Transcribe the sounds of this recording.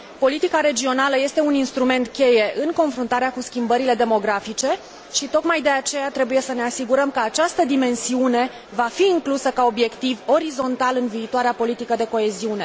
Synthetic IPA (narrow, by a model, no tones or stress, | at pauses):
po̞lit̪ikaɾe̞d͡ʒio̞naləje̞st̪e̞uninst̪ɾume̞nt̪kʲe̞je̞ʔɨŋko̞nfɾunt̪aɾeakuskʲimbəɾile̞d̪e̞mo̞ɡɾafit͡ʃe̞ | ʃit̪o̞kmajd̪e̞at͡ʃe̞jat̪ɾe̞buje̞səne̞asiɡuɾəmkəat͡ʃast̪əd̪ime̞nsiune̞ | vafiːŋklusəkao̞bje̞kt̪ivo̞ɾizo̞nt̪alɨnviːt̪oaɾeapo̞lit̪ikəd̪e̞ko̞e̞ziune